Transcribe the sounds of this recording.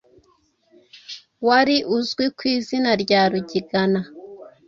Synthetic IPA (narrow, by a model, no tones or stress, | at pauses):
waɾiʔuzɡwikwiːzinaɾɟaːɾuɟiɡana